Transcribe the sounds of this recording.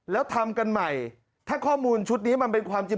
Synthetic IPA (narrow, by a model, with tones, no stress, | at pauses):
lɛː˦˥wt̪ʰa˧mka˧nma˨˩j | t̪ʰaː˥˩kʰɔː˥˩muː˧nt͡ɕʰu˦˥t̪̚niː˦˥ma˧npe˧nkʰwaː˧mt͡ɕi˧